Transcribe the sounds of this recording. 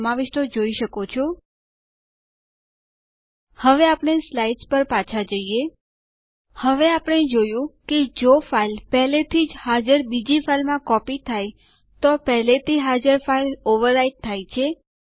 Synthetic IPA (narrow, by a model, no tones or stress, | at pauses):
maʋɪʃʈ̪od͡ʒoiʃəkot͡ʃʰɔ | həʋeapɽ̃eslaiɖspəɾpat͡ʃʰad͡ʒəie | həʋeapəɽ̃ed͡ʒojũked͡ʒofailpɛɦlet̪ʰid͡ʒhad͡ʒəɾbid͡ʒifʰailmãkɔpit̪ʰaj | t̪opɛɦlet̪ʰiɦad͡ʒəɾfailoʋəɾːaiʈ̚t̪ʰːajt͡ʃʰe